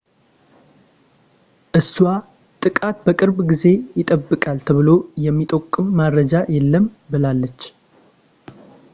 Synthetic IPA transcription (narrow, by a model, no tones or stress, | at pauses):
ʔɨswa | t̪ʼɨkʼat̪bəkʼɨɾbɡize̞jɪt̪ʼəbːɨkʼalt̪ʰəβɨlo̞jɛmːit̪ʼəkʼːɨmːadɾəd͡ʒajɛlːəm | bɨlalːət͡ʃː